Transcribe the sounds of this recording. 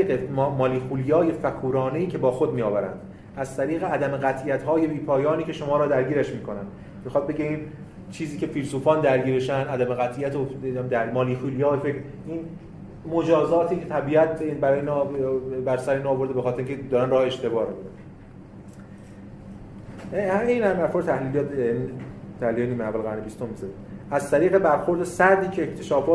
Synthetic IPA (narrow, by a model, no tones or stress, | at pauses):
iemɒːliːxuːlijɒːje̞fækʰuːɾɒːneiːcʰe̞bɒːxod̪miːɒːvæɾæ̰nd̪̥ | æzt̪ʰæɾiːɣeæd̪æmeɣæt̪ʰijæt̪ɦɒːje̞biːpʰɒːjɒːniːcʰe̞ʃo̞mɒːɾɒːd̪æɾɟiːɾæʃmiːkʰo̞nænd̪ | mixɒːd̪̚beɟeiːn | t͡ʃʰiːziːcʲʰe̞fiːlsuːfɒːnd̪æɾɡiːɾeʃænæd̪æmeɣæt̪ʰijæt̪od̪æɾmɒːliːxuːlijɒːjefekɾ | iːn | mo̞d͡ʒɒːzɒːt̪ʰiːcʰet̪ʰæbiːæt̪̚bæɾɒːjeiːn | bæɾsæɾeinɒːvo̞ɾd̪ebe̞xɒːt̪ʰeɾiŋcʰed̪ɒːɾænrɒːheeʃt̪ʰe̞bɒːɾmid̪an | hmeiːnæmæfɔɾd̪t̪ʰæhliːljɒt̪ːnit̪ʰæhliljɒeniːmeævːælɣæɾnebist̪o̞mːizɒzænæzt̪ʰæɾiːɣe̞bæɾxoɾd̪osæɾd̪iːcʰeːcʰt̪ʰe̞ʃɒːfɒː